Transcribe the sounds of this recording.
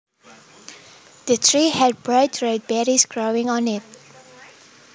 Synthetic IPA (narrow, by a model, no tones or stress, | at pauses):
dətʰɹiːhɛd̚bɹadɹed̚bɛɾisɡɹoɪ̃ŋɔ̃nɪt̚